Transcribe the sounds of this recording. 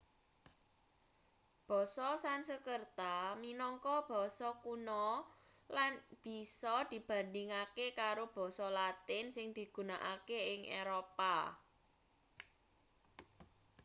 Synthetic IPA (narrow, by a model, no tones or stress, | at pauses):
b̥ɔ̤sɔsansəkərt̪aminɔŋkɔb̥ɔ̤sɔkunɔ | lanb̥i̤sɔd̪̥i̤b̥ä̤ndɪŋakekaɾob̥ɔ̤sɔlat̪ɪnsɪŋd̪̥i̤ɡ̥ṳnaʔakeɪŋḛɾopa